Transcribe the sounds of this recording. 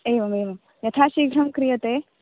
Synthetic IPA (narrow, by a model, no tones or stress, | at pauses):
eːʋɐmeːʋɐm | jɐt̪ʰaːʃiːɡʱɾɐmkɾijɐt̪eː